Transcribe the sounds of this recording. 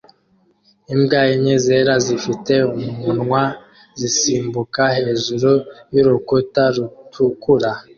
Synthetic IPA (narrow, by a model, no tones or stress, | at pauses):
imbɡajiɲezeɾazifiteumunŋwa | zisiːmbukahe̞ːʒuɾujuɾukotaɾutʰukuɾa